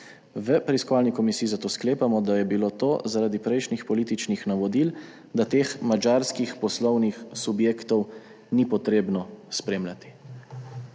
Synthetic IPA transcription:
ʋəpɾɛiskɔʋaːlnikɔmisiːzat̪oːskleːpamɔd̪ajɛbiloːt̪oːzaɾaːd̪ipɾɛjʃnixpɔliːt̪it͡ʃnixnaʋɔd̪il | d̪at̪eːxmad͡ʒaːɾskixpɔslɔwnixsubjeːkt̪ɔw | nipɔt̪ɾeːbnɔspɾeːmlʲjat̪i̥

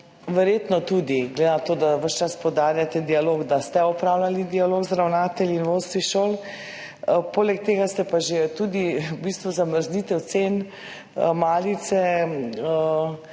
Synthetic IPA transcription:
ʋɛɾjeːt̪nɔt̪ud̪iɡled̪enat̪oːd̪aʋəʃt͡ʃaspɔd̪aːɾjat̪ɛd̪ialoːɡd̪ast̪ɛɔpɾaːwlalid̪ialoɡzd̪ɾawnaːt̪ɛlinʋost̪ʋiʃoːl | poːlɛk̚t̪eːɡast̪ɛpaʒet̪ud̪ibist̪ʋuzaməɾzniːt̪ɛwt̪sen | maːlit̪sɛə

